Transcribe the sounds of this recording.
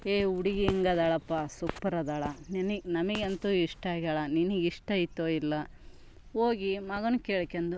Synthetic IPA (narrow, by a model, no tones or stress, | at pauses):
eːuɽiɡeiŋɡɐd̪aːɭɐpːasupːɐɾɐd̪aːɭɐneninɐmɐɡeɐnt̪uiʂʈɐaːɡaːɭɐniniɡiʂʈɐit̪ːoilːɐ | oːɡimɐɡɐnukeːɭkːend̪u